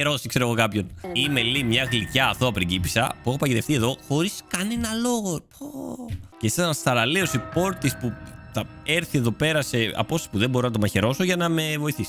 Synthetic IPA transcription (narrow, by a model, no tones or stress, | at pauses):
eɾo̞si̥kse̞ɾoɣokɐpço̞nime̞limɲɐɣlicɐːθoɐpɾiɟipi̥sɐ̰pue̞xo̞pɐcit̪e̞ft̪ie̞ðo̞xo̞ɾiskɐne̞nɐlo̞ɣo̞pocesɐsnɐst̪ɐɾɐlio̞sipo̞ɾt̪ispuθɐe̞ɾθie̞ðo̞pe̞ɾɐse̞ɐ̰po̞ssipuðe̞mboɾonɐt̪o̞mɐçe̞ɾo̞so̞ʝɐnɐme̞vo̞iθisi̥